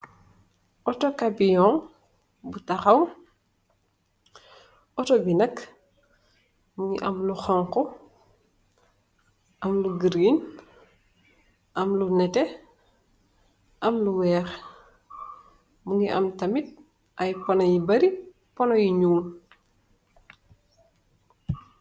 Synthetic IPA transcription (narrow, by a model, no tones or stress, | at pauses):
ʔɔtɔkabijɔŋ | butɐxɐw | ɔtɔbinɐk | muŋiʔɐmluxɔŋkɔ | ʔɐmluɡiɾin | ʔɐmlunɛtɛ | ʔɐmluwɛːɾ | muŋiʔɐ̰mtɐmit̚ | ʔɐjpɔnɐjibɐɾi | pɔnɔjiɲuːŋ